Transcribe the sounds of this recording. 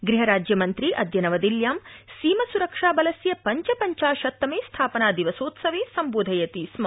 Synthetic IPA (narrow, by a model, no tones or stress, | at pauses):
ɡɾiɦɐɾaːd͡ʒjɐmɐnt̪ɾiʔɐd̪jɐnɐʋɐd̪iljaːmsiːmɐsuɾɐkʂaːbɐlɐsjɐpɐɲt͡ʃɐpɐɲt͡ʃaːʃɐt̪ːɐmeːst̪ʰaːpɐnaːd̪iʋɐsoːt̪sɐʋeːsɐmboːd̪ʱɐjɐt̪iːsmɐ